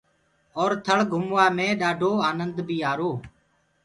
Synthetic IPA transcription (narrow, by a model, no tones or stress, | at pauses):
ɔːɾt̪ʰəɭɡʱʊmʋaːmẽːɗaːɖʱoːaːnənd̪bʱiːaːɾoː